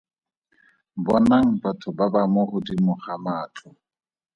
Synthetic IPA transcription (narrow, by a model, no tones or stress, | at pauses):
bɔnaŋ̩batʰʊbabamɔχʊdimʊχamaːtʰʊ